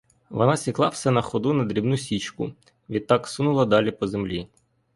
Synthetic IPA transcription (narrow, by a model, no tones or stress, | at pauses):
ʋɔ̰nɑsʲiklˠɑwsɛnɐxɔd̪unɐd̪ɾʲibnusʲit͡ʃkʊ̰ | ʋʲid̪t̪̚ːɑksunʊlˠɐd̪ɑlʲipɔzemlʲi